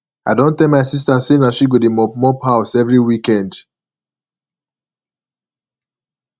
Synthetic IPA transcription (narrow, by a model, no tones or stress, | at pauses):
aɪdõntɛ̃maɪsis̬tasenaʃiɡodemɔmɔpʰaʊsɛvɹiwikɛ̃nd